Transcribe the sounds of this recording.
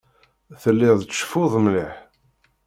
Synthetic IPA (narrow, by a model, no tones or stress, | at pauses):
θəlːɪððˤt͡sːʃfʊðˤmliħ